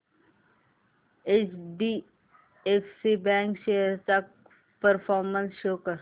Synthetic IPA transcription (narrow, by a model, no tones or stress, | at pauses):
et͡ʃɖi | eksibɛ̃ːŋkʃeəɾt̪ak̚ | pəɾfʰɔːɾmə̃nsʃoːkəɾ